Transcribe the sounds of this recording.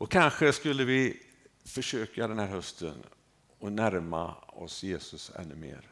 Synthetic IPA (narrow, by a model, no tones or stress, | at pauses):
ɔkʰanɧəskɵlːəvɪ | fœʂøːkad̪ɛnhæːɾhœst̪ʰə̰n | ɔnæɾma̰ɔ̰sjeːsɵsɛ̰nːɵmḛːɾ